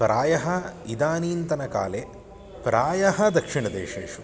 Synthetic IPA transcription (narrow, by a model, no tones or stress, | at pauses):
pɾaːjɐɦɐid̪aːniːnt̪ɐnɐka̰ːle | pɾaːjɐɦɐd̪ɐkʂiɳɐd̪eːʂḛːʂu